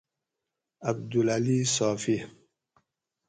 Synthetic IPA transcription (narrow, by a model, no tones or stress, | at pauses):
ab̚dulalisɔfi